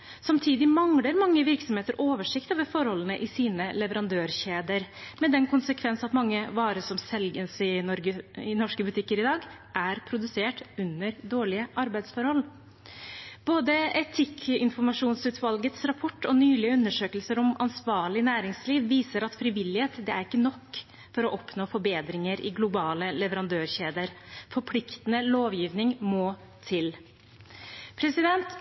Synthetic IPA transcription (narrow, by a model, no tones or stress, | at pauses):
sɑmt̪ʰiːd̪ɪmɑŋɽəɾmɑŋːəʋɪɾksɔmheːt̪əɾʔoːʋəʂɪkt̪ɑːʋəfɔɾhɔlːənəʔɪsiːnəlɛʋəɾɑnd̪øːɾɕeːd̪əɾmɛd̪ɛnkʊnsəkʰʋɛnsɑt̪mɑŋːəʋɑːɾəsɔmsɛlɡənsɪnɔɾɡəɪnɔʂkəbʉt̪ʰɪkːəɾɪd̪ɑːɡ | ʔæɾpʰɾʊd̪ʉseːʈʉnəɾd̪oːɭɪəʔɑɾbæɪd̪sfɔɾhɔl | b̥oːd̪əɛt̪ʰɪkʰɪnfɔɾmɑʂuːnsʉːt̪ʋɑlɡət̪sɾɑpʰɔʈːɔnyːlɪəʉnːəʂøːkəlsəɾɔmɑnsʋɑːɭɪnæːɾɪŋsliːʋʋiːsəɾɑt̪fɾɪʋɪlɪheːt̪d̪ɛæɾɪkːənɔkː | fɔɾɔʔɔpnoːfɔɾbeːd̪ɾɪŋəɾɪ̰ɡlʊbɑːləlɛʋəɾɑnd̪øːɾçeːd̪əɾfɔɾpʰlɪkt̪ənəloːʋjiːʋnɪŋmoː | t̪ʰɪl | pʰɾɛsɪd̪ɛnt̪